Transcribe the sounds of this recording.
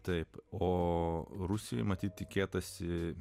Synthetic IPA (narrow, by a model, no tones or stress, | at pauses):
t̪ɐɪpoːɾʊsʲɪjo̰ɪmɐt̪ʲiːt̪̚ʲt̪ʲɪkʲeːt̪ɐsʲɪ